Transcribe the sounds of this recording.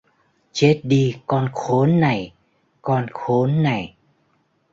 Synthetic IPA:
t͡ɕe˦˥t̚ɗi˧kɔ˧nxo˨˦nːa˨˩j | kɔ˧nxo˨˦nːa˨˩j

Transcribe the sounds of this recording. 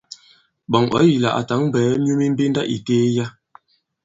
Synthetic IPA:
ɓɔ˨ŋʔɔ̰˨˦ji˨la̰˨ʔa̰˨ta˨˦ŋ˦bɛː˨˦mjo˦mi˦m̩˦bi˦n˦da˦ʔḭ˨keː˦ja˦

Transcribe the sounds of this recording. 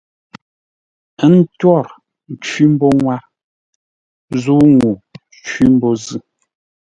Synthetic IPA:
n̩˦twɔ˦˨ɾ | n̩˨t͡ʃwi˦m̩˦bɔ˦ŋwa˦ | zu˦ŋu˨ | t͡ʃwi˦m̩˦bɔ˦zɨ˦

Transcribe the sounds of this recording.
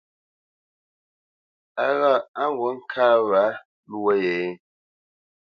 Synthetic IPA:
a˨ɣa˦˨a˦wo˨˦ŋ̩˦kʰa˦βa˨˦ | lu˦wɔ˦jɛ˨˦

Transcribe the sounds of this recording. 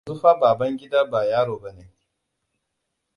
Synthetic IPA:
zu˦ɸaː˦baː˨bɐ˦ŋɡʲɪ˦daː˦baː˨jaː˦ɽoː˨bɐ˦neː˦

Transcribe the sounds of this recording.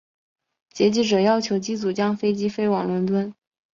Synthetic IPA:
t͡ɕjɛ˧˥t͡ɕi˥ʈ͡ʂɤ˨˩jɑ˥ʊt͡ɕʰjo˧˥ʊt͡ɕi˥t͡su˨˩t͡ɕjɑ˥ŋfe˥ɪt͡ɕi˥fe˥ɪwɑ˨˩ŋlwə˧˥nt̪wə˥n

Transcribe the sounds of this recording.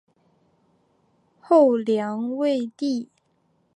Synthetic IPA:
xo˥˩ʊljɑ˧˥ŋwe˥˧ɪt̪i˥˩

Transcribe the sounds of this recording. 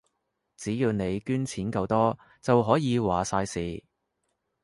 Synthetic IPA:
t͡siː˨˥jiː˨˧wne˨˧jkyː˥nt͡sʰiː˨˥nkɐ˧wt̪ɔː˥ | t͡sɐ˨wɦɔː˨˥jiː˨˧waː˨˩saː˧jsiː˨

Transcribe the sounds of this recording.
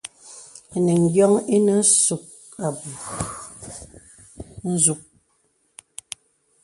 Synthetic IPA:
ne˨ŋ̩˨˦ɡjɔ˦ŋi˦ne˨n̩˦su˨k̚ | a˨bu˨ | n̩˦zu˦k̚

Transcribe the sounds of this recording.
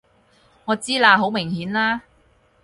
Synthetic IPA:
ŋɔː˨˧t͡siː˥laː˧ɦo˨˥wmɪ˨˩ŋhiː˨˥nlaː˥

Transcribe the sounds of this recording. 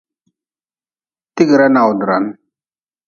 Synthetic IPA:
ti˦ɡi˨ɾa˦na˨wdɾa̰˨n

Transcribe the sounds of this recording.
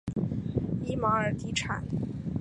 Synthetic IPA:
i˥ma˧˥ə˞˨˩t̪i˧˥ʈ͡ʂʰa̰˨˩˦n

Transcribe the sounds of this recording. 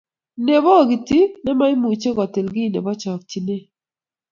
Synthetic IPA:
ne˨bɔ˦˨ɡi˨ti˦nɛ˦ma˦ɪ˦mu˨t͡ʃe˦kɔ˨te˨lɡɪ˦˨nḛ˨bɔ˦t͡ʃɔ˨k̚t͡ʃi˨ne˦˨

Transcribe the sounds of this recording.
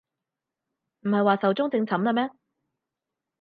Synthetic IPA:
m̩˨˩hɐ˨jwaː˨sɐ˨wt͡sʊ˥ŋt͡sɪ˧ŋt͡sʰɐ˨˥mlɐ˧mɛː˥

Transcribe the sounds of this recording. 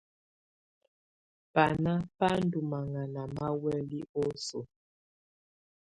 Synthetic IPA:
pa˨na˦pa˦n̩˦du˨ma˨ŋa˨na˨ma˦wɛ˦li˦o˦so̰˨

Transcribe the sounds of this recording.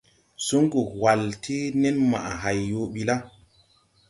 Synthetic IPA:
su˦ŋku˨kwa˨lti˦ne˦nma̰˨ʔa˨ɦa˨jːo˨ɓi˦la˦

